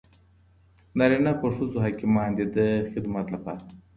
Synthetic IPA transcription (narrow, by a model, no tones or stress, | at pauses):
nɐɾinapɐʂuzuɦakimaːnd̪id̪əxid̪mɐt̪lɐpa̰ɾ